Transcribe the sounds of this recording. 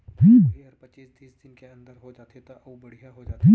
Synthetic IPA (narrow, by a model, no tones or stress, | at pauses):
tʰiːkɾpɐt͡ʃːiːsd̪ʰiːsd̪ɪnkeɐ̃nd̪əɾɦod͡ʒaːt̪et̪oʔɐubɐɽ̤ijaɦoaːt̪ʰiː